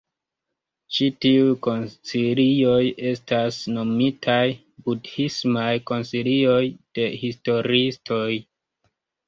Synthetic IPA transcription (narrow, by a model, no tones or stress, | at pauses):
t͡ʃitiujko̞nsilio̞jʔe̞stasno̞mitʰaj | budhismajko̞nsilio̞jd̥e̞histo̞ɾistʰo̞j